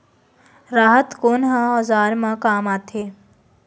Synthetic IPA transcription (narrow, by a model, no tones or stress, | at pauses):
ɾaːɦət̪koːnɦãɔːzaːɾmãkaːmaːt̪ʰeː